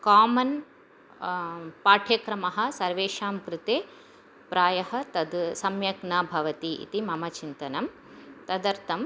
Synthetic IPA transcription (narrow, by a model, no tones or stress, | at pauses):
kaːmɐn | paːʈʰjɐkɾɐmɐɦɐ̆sɐɾʋeːʃaːmkɾɪt̪eː | pɾʔaːjɐɦɐ̆t̪ɐd̪sɐmjɐknɐbʱɐʋɐt̪iḭt̪imɐmɐt͡ʃint̪ɐnɐm | t̪ɐd̪ɐɾt̪ʰɐm